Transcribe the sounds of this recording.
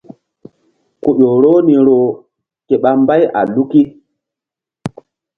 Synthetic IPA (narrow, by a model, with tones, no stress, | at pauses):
ku˨ɗo˨ɾo˦ni˨ɾo˨ | ke˨ɓa˨mba˦jʔa̰˨lu˦ki˦